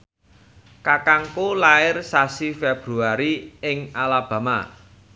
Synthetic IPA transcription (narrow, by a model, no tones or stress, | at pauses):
kakaŋkulaɪrsasifeb̥ɾuaɾiɪŋalab̥ä̤ma̰